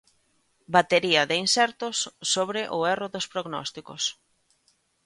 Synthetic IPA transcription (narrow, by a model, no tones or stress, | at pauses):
bat̪eɾiɐðɪinsɛɾt̪ʊsːoβɾɪʔʊɛroðospɾoɣnɔ̰st̪iko̰s